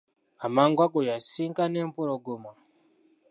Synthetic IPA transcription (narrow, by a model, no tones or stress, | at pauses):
amaŋɡwakojasiŋkanem̩puɾoɡuma